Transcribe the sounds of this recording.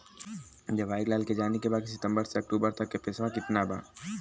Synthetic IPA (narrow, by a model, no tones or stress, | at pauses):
d͡ʒɐʋaːɪklaːlked͡ʒaːnekebaːd̪̚sɪt̪ə̃mbəɾseɐk̚ʈuːbəɾt̪ɐkːepɪsʋãkɪt̪naba̰ː